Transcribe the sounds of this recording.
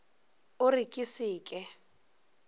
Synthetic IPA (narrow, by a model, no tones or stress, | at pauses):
ʊrikʼisiːkʼɛ